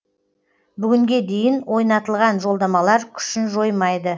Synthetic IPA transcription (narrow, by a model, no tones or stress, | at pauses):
bʏɡʲɪŋɡʲe̞d̪e̞jɪnwʔo̞jnɑt̪əlˠʁɑnʒo̞lˠd̪ɑmɑlˠɑɾkʲʰʏ̥ʃɪnʒo̞jmɑjd̪ə